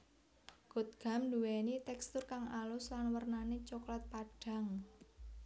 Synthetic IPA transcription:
ɡ̥o̤t̪̚ɡ̥a̤md̪uwɛnit̪ɛkst̪ʊrkaŋalʊslanwərnanet͡ʃɔklɔt̪̚paɖ̥a̤ŋ

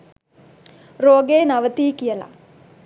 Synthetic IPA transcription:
ɾoːɡeːnɐʋət̪iːkijəla̰

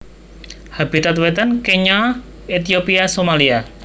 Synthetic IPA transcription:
habit̪at̪wɛt̪ankeɲɔ | et̪iopiasomalia

